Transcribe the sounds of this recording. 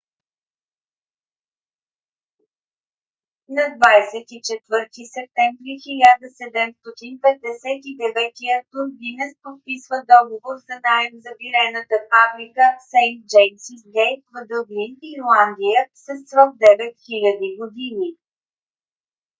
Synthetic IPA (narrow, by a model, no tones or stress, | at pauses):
nɐd̪vajsɛt̪it͡ʃɛt̪vɤɾt̪isɛp̚t̪ɛmvɾixilʲad̪əsɛd̪ɛmst̪ɔt̪inpɛd̪̚d̪ɛsɛt̪id̪ɛvɛt̪iət̪unɡinɛspot̪̚pisvəd̪ɔɡovoɾzɐnaɛmzɐbiɾɛnət̪əfafɾikəsɛjd͡ʒɛjmsisɡɛjfvəd̪əɡliniɾlˠand̪ijəsəsːvəvd̪ɛvɛt̪xilʲəd̪iɡod̪ini